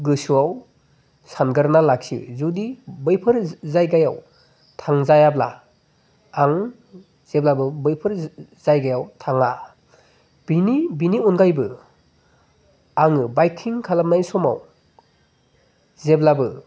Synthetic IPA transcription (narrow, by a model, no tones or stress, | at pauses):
ɡɯsuaw | sanɡɯɾnalaksḭzudibɯjpʰɯɾzajɡaja̰w | tʰaŋzajabla̰ː | ŋ | z̥eblabɯbɯjpʰɯɾzajɡajawtʰaŋa | binibiniunɡajbɯ | aŋɯbajkʰːiŋkʰalam̚najsɔma̰w | zeblabɯ